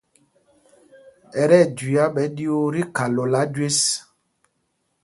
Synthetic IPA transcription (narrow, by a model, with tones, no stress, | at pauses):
ɛ˨ɾɛ˦˨d͡ʒwi˨a˦ɓɛ˨˦ɗi˦o˦ɾi˦ka˨lɔ˨la˨˦d͡ʒwe˦s